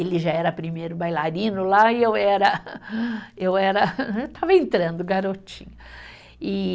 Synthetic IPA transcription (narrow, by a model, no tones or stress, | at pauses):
elɪʒaɛɾɐpɾimejɾʊbajlaɾĩnʊlaɪewɛɾɐ | ewɛɾɐewt̪ʰavɐẽnt̪ɾɐ̃nd̪ʊɡaɾot͡ʃḭ̃ɲʊ | ɪ